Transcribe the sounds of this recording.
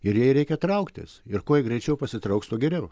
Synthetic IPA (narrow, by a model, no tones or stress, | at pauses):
ɪɾjɛɪɾʲɛɪkʲɛt̪ɾɐʊkt̪ʲɪ̰sɪɾkoːjɛɡɾʲɛɪt͡ʃʲɛʊpɐsʲɪt̪ɾɐʊkst̪uɔɡʲɛɾʲɛʊ